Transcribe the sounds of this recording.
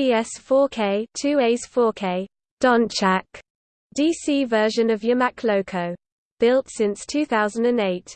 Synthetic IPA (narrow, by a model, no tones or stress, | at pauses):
iɛsfɔːkʰeɪtʰʉːeɪz̥fɔːkʰeɪ | d̥ɒ̃nt͡ʃʰak | d̥iːsiːvɜːˑʒə̃nəvjəmakʰləʊkʰəʊ | b̥ɪlˠtsɪ̃nstʰʉːθaʊzə̃ndə̃neɪt